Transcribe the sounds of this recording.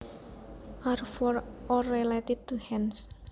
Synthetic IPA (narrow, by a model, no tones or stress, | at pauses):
ʔarfɔrɔrelet̪ɪd̪̚t̪uhɛns